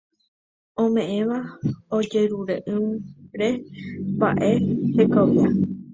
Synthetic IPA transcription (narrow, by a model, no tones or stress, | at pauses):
õmẽ̞ʔẽʋaod͡ʒe̞ɾuɾeʔɨ̃ɾe̞ba̰ʔe̞hekoʋja